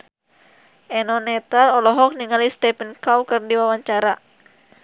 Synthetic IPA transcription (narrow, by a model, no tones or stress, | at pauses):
ʔɛnɔnɛt̪alɔlɔɦɔk̚niŋalist̪ɛpənkawkɨrdiwawaɲt͡ʃaɾa